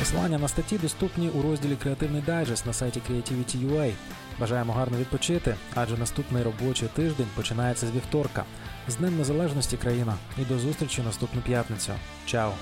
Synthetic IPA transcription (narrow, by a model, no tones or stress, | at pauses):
pɔslˠɑ̰nʲːɐnɐst̪ɐtʲid̪ɔst̪upnʲiʔuɾɔzʲdʲilʲikɾeɐt̪ɪwnɪjd̪ɛjʲʒɛst̪ʲnɐsɑjtʲikɾʲijɐtʲiʋʲitʲijuɛj | ʋɐʒɑjemɔɦɑrnɔʋʲid̪̚pɔt͡ʃɪt̪ɪɑʒɛnɐst̪upnɪjɾɔbɔt͡ʃɪt̪ɪʒd̪ɛnʲpɔt͡ʃɪnɑjet͡sʲːɐzʲʋʲiwt̪ɔrkɐ̰ | zd̪nɪmʲnezɐlˠɛʒnɔsʲtʲikɾɐjinɐid̪ɔzust̪ɾʲit͡ʃʲʊnɐst̪upnʊpʲjat̪nɪt͡sʲʊ̰ | t͡ʃɑɔ